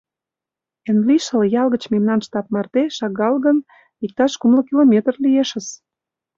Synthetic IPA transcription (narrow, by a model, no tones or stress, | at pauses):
enliʃəljɑlɣə̆t͡ɕmemnɑnʃt̪ɑp̚mɑrt̪eʃɑɡɑlɣən | ik̚t̪ɑʃkumlə̆kilomʲet̪rlieʃə̆s